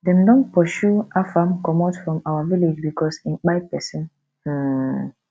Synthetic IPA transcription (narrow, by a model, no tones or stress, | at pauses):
dɛ̃mdɔ̃npɔʃuafãmkɔ̃matfɹɔ̃mawaviled͡ʒbikɔsĩnk͡paɪpɛsɔ̃n | h̩